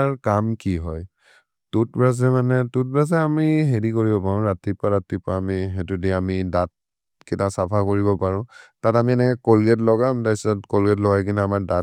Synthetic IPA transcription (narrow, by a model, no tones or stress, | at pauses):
ɹkamkiɦɔj | tut̚bɹaz̬ɛmanɛtut̚bɹaz̬ɛamiɦedikoɹibɔpaɹʊ̃ɹatipaɹatipaamiɦetudiamidat̚ | kitasapʰakoɹibɔpaɹʊ̃tatamiɛnɛkɛkolɡɛtlɔɡamdajsatkolɡɛtlɔɡajkinaamaɹda